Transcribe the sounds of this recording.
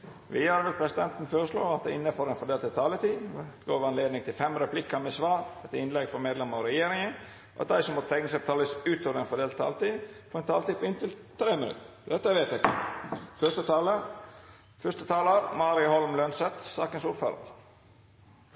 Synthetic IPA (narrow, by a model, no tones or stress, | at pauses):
ʋɪhɑːɾʋɛlpʰɾɛsɪd̪ɛnt̪n̩føːɾəslo̰ːɑt̪̚d̪ɛ̰ɪnːəfɔːɾɛnfɔɖ̪eːlt̪ɛt̪ʰːɑlət̪iːt̪ɡoːʋəɑnleːd̪nɪŋt̪ʰɪlfɛmɾɛpʰlɪkːɑmɛsʋɑːɾɛt̪ːɪnlɛɡfɔɾmeːd̪lɛməɾɔɾɛjeːɾɪŋə | ʔɑ̰t̪̚d̪æɪsɔmːɔt̪t̪ʰɛŋnəsɛp̚t̪ʰɑːləsʉːt̪oːʋəɾɛnfɔɖ̪eːlt̪t̪ʰːɑ̰lət̪iːfɔɾɛnt̪ʰɑːlt̪iːpʰɔɪnt̪ɪlt̪ʰɾeːmənʉ̰t̪ː | d̪ɛt̪ːəʋeːt̪æɪkəfœʂst̪ət̪ɑːlə | fœst̪ət̪ʰɑːləɾmɑːɾɪʊhɔlmlœnsɛt̪sɑːkənsuɾfø̰ːɾə̰ɾ